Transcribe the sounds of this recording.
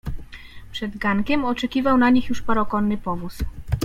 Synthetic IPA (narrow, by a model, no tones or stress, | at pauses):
pʂɛd̪ɡaŋkʲɛmɔt͡ʂɛkʲivawnaɲixjuʂpaɾɔkɔnːɘpɔvus